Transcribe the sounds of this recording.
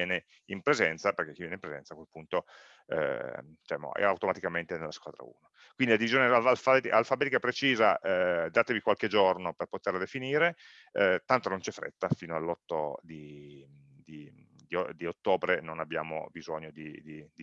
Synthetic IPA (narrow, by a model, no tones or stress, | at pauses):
jɛːne | impɾezɛnt̪saperk̟ekːivjɛːneimpɾezɛ̰nsakwelpunt̪o̰ | d̪it͡ʃɛmo̰ɛ̰a̰wt̪omat̪ikament̪enelːaskwa̰ːd̪ɾa̰ṵːno | kwind̪ilad̪ivizjoːnealalfat̪ialfabɛːt̪ikapɾet͡ʃiːzaʔd̪aːt̪evikwalked͡ʒornoperpot̪erlad̪efiniːɾe | t̪ant̪onont͡ʃɛfɾḛt̪ːafiːnoalːɔt̪ːod̪i | d̪i | d̪iod̪iot̪ːoːbɾenonabːja̰ːmo̰bizoɲːod̪id̪id̪i